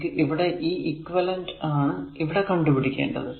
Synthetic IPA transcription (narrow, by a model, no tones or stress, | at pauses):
kːɨʔiʋiɽe̞ʔiːʔikːʋɐlɐndaːɳɨiʋiɽe̞kɐɳɖupiɽikʲːeːɳɖɐ̰ðɨ